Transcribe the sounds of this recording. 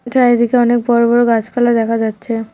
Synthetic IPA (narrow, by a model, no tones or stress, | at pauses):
ʈʰaed̪ikeɔnek̚bɔɾobɔɾoɡat͡ɕpɛlad̪ɛkʰad͡ʑatːɕʰe